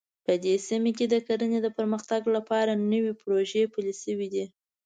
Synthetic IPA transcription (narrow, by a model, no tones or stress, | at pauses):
pəd̪esimek̬ed̪əkaɾəned̪əpəɾməxt̪aɡlapɑɾanəwepɾoʒepəlsəwid̪i